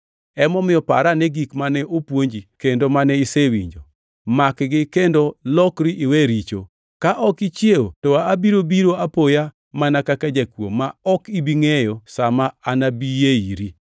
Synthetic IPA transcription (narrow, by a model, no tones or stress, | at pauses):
ɛmɔmɪɔpa̰ɾanɛɡikmanɛʔopwoɲd͡ʒikendomanɛisewḭɲd͡ʒo̰ | makɡɪkendolɔkɾiʔiwɛɾit͡ʃo̰ | kaʔɔkit͡ʃjeotɔaabiɾobiɾoapoja | manakakad͡ʒakwo̰maɔkibiŋejɔsamaːnabijeiɾi